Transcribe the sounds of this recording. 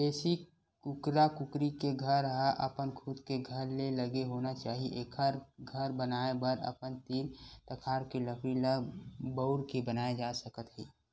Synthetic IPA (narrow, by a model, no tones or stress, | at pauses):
beːsi | kʊkɾakʊkɾikeɡʱəɾɦaʔɐpənkʰʊd̪keɡʱəɾleləɡeɦoːnat͡ʃaːɦiʔeːkʰəɾɡʱɐɾbənaːebəɾə̰pənt̪iːnt̪əkʰaːɾkiləfɾiləbəʊɾkibənaːed͡ʒaːsəkət̪ɦiː